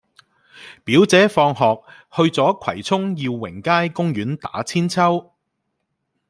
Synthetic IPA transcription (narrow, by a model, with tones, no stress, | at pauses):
piː˨˥wt͡sɛː˨˥fɔː˧ŋɦɔː˨k̚ | hɵ˧ɥt͡sɔː˨˥kʷʰɐ̰˨˩jt͡sʰʊ˥ŋjiː˧wːɪ˨˩ŋkaː˥jkʊ˥ŋjɥyː˨˥nt̪a̰ː˨˥t͡sʰiː˥nt͡sʰɐ˥w